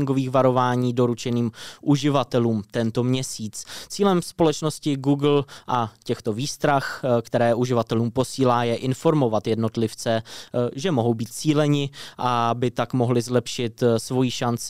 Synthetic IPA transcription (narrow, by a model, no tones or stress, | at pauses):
ŋɡo̞viːxvaɾo̞vaːɲiːdo̞ɾut͡ʃɛniːmʔuʒɪvat̪ɛluːmt̪ɛnt̪omɲɛsiːt͡st͡siːlɛmspo̞lɛt͡ʃno̞scɪɡuɡl̩ʔacɛxt̪o̞viːst̪ɾaxkt̪ɛɾɛːʔuʒɪvat̪ɛluːmpo̞siːlaːjɛʔɪnfo̞ɾmo̞vat̪jɛdno̞t̪lɪft͡sɛʒɛmo̞ɦo̞wbiːt̪̚t͡siːlɛɲɪʔabɪt̪akmo̞ɦlɪzlɛpʃɪt̪svo̞jiːʃant͡sɪ̥